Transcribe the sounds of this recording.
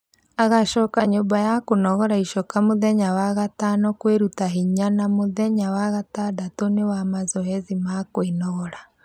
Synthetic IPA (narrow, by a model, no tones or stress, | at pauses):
aɣaʃɔkaɲombajakonɔɣɔɾaiʃɔkamoðɛɲawaɣatanɔkweɾutaɦiɲanamoðɛɲawaɣatadatonewamazɔɦɛzimakoinɔɣɔɾa